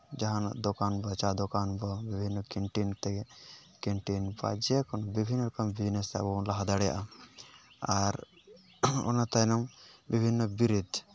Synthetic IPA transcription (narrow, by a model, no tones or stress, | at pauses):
d͡ʒaɦana̰ʔd̪ɔkanbat͡ʃad̪ɔkanbɔbibʱinːɔkiɳʈint̪ɛ | kiɳʈinba̰d͡ʒɛkɔnɔbibʱinːɔɾɔkambid͡ʒnɛst̪ɛa̰bɔnlaɦad̪aɽɛja̰ʔa | aɾ | ɔ̰nat̪ajnambibʱinːɔbiɾid̪